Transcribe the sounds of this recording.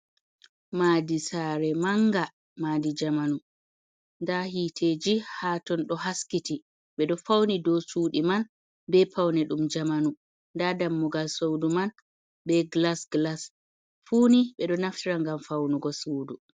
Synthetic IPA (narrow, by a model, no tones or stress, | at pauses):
maːdisaɾɛmaŋɡa | maːdid͡ʒamanu | ndahitʰeːd͡ʒihatɔnɗɔhaskiti | ɓɛɗɔfawnidɔsuːɗiman | bɛpawnɛɗumd͡ʒamanu | ndadamːuɡalsowduman | bɛɡlasɡlas | fuːniɓɛɗɔnaftiɾaŋɡamfawnuɡɔsuwdu